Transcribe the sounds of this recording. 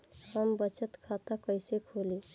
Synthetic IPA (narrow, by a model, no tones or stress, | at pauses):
həmbət͡ʃət̪kʰat̪akəjsekʰoli